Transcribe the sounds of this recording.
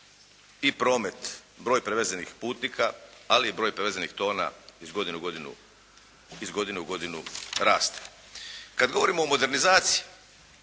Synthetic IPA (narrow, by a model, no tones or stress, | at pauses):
ipɾo̞ːme̞t̪ | bɾojpɾeʋezenixpuːt̪nikaaliːbɾo̞ːjpɾeʋezenixt̪o̞ːna̰izɡo̞d̪inuɡod̪inṵ | izɡo̞d̪ineuɡo̞d̪inuɾaːst̪e̥ | kad̪ɡo̞ʋo̞ɾimo̞ːmo̞d̪e̞ɾnizaːt̪sii